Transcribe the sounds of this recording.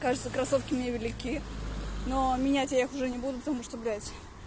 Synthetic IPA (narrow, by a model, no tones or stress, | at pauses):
kaʐɨt̪səkɾɐso̞fkʲɪmnʲevʲɪlʲɪkʲi | nomʲɪnʲætʲjajaxʊʐɛnʲɪbud̪ʊpət̪ɐmuʂt̪oblʲætʲ